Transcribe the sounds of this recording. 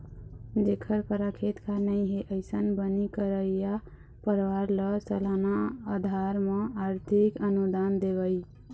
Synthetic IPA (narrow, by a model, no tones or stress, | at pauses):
d̪ekʰəɾpəɾakʰet̪kʰanəjɦeʔəɪsənbənikəɾəija | pəɾwaɾləsəlanaəd̪ʱaɾmẽaɾt̪ʰikənud̪and̪ebəj